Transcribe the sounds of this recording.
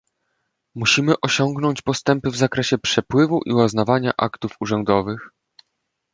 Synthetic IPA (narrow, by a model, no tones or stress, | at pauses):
muɕimɘʔɔɕɔŋɡnɔɲt͡ɕpɔst̪ɛmpɘvzakɾɛɕɛpʂɛpwɘvuʔiwaznavaɲa̰ʔakt̪ufuʐɛnd̪ɔvɘx